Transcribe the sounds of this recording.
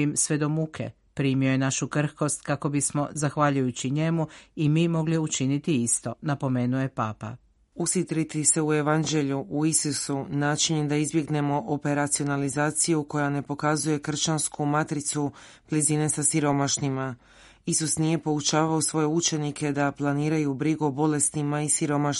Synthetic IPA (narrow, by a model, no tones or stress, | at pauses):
imsʋe̞d̪o̞mukʰe̞̰ | pɾiːmio̞je̞naʃukr̩hko̞st̪kako̞bismo̞zaxʋaʎujut͡ɕiɲe̞muimiːmo̞ɡliut͡ʃinit̪iist̪o̞napo̞me̞ːnuje̞paːpa̰ | usit̪ɾit̪ise̞ue̞ʋand͡ʑe̞ʎuʔuisusunaːt͡ʃiɲed̪aizbje̞ɡne̞mo̞ʔope̞ɾat̪sio̞nalizaːt̪sijuko̞jane̞po̞kazuje̞kr̩t͡ɕanskumat̪ɾit̪su | b̥lʲiziːne̞sasiɾo̞maʃnima | isusnije̞po̞ut͡ʃaːʋaosʋo̞je̞ut͡ʃe̞nikʰe̞d̪aplˠaniːɾajubɾiɡuobo̞le̞st̪nimaisiɾo̞maʃ